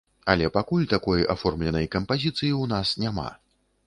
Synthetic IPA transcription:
ɐlʲɛpakulʲt̪akɔja̰fɔrmlʲɛnɐjkɐmpazʲit̪sɨjiwnasnʲama̰

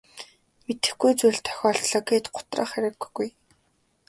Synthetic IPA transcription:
met̪ɘ̆xɡujt͡suɮt̪ʰœ̥xʲɔːɬt̪ɮɔːkeːt̪ɢʊ̥t̪rə̰ːχæɾɘ̆kɡuj

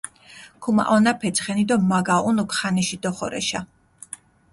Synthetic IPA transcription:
kʰuma̰ʔɔnapʰɛt̪sʰχɛnid̪ɔmaɡaunukʰχanɛʃid̪ɔχɔɾɛ̰ʃa

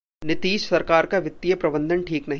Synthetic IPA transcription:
nɪt̪iːʃsɐɾkaːɾkaʋɪt̪ːijəpɾɐbə̃nd̪ʱənʈʰiːknɐɦ

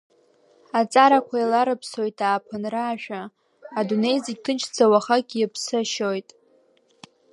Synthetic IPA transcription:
at͡sʼaɾakʷʰailaɾɨpʰso̞jtʰaːpʰɨnraːʃᶣaː | dune̞jziɡʲtʰɨnt͡ʃʰd͡zawaχakʲiɪpʰsɨʃojtʼ

